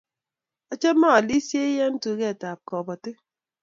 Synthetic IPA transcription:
ɔ˨t͡ʃe˦ma˦a˨li˦sje˦i˦je˦n̩˦tu˨˦ke˦˨ta˨p̚kɔ˨bɔ˨te˦

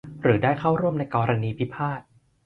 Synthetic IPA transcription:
ɾɯː˩˦daː˥˩jkʰa˥˩wɾu˥˩əmna˧jkɔː˧ɾa˧niː˧pʰi˦˥pʰaː˥˩t̪̚

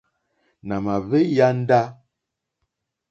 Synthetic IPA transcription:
na˨ma˨βe˦ja˦n˦da˦

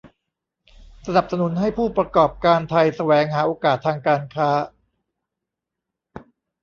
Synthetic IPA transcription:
sa˧na˨˩p̚sa˧nu˨˩˦nɦa˥˩jpʰuː˥˩pɾa˧kɔː˨˩p̚kaː˧nt̪ʰa˧jsa˧wɛː˩˦ŋɦaː˩˦ʔoː˧kaː˨˩t̪ʰːaː˧ŋkaː˧nkʰaː˦˥

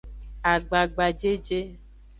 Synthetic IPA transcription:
a˨ɡ͡ba˨ɡ͡ba˨d͡ʒe˦d͡ʒe˦

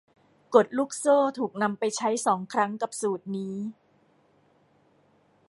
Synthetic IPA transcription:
ko˨˩t̪̚luː˦˥˩k̚soː˥˩t̪ʰuː˨˩k̚na˧mpa˧jt͡ɕʰa˦˥jsɔː˩˦ŋkʰɾa˦˥ŋka˨˩p̚suː˨˩t̪̚niː˦˥

